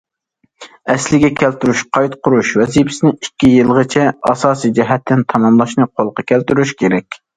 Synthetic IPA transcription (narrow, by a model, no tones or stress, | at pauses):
ɛslɪɡʲɛkʲʰælt̪yɾyʃqʰɑjt̪qʰʊɾuʃwɛzipʰɪ̥sɪnɪikʲːijɨlˠʁət͡ʃʰɛɑ̰sɑːsijd͡ʒɛɦɛt̪ʰːɪnt̪ʰɑmɑmlˠɑʃnɨqʰolˠqɑkʲʰælt̪yɾyʃkʲʰeɾɛkʲ